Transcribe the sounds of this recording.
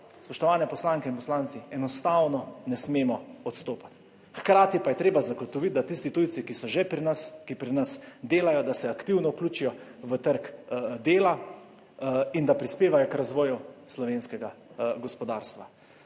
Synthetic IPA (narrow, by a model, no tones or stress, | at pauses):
spɔʃt̪ɔʋaːnɛpɔslaːŋkɛinpɔslaːnsiɛnɔst̪awnɔnɛsmeːmɔɔt̪st̪oːpḁt̪ | xkɾaːt̪ipajɛt̪ɾeːbazaɡɔt̪ɔʋit̪̚d̪at̪ist̪it̪ujt̪sikisɔʒepɾinaskipɾinasd̪eːlajɔd̪asɛakt̪iwnɔukluːt͡ʃijɔʋət̪əɾkd̪eːla | ind̪apɾispeːʋajɔkɾazʋɔːjuslɔʋeːnskɛɡaɡɔspɔd̪aːɾst̪ʋa